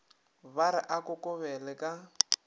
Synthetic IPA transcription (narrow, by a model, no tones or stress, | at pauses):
βaɾɪʔakʼʊkʼʊβɛlɛkʼa